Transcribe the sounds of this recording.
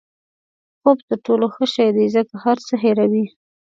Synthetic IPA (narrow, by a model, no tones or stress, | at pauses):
xobt̪əɾʈoloxəʃajd̪izəkahaɾt͡səɦeɾawi